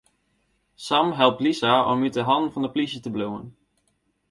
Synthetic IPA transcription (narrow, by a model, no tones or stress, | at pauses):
sɑmɦɛlˠp̚tlisaɔ̰mydəɦɑnvɑndəpliʃətəbluwə̰n